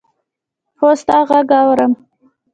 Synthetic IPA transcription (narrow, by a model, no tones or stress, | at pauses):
xost̪ɑɣaɡɑwɾəm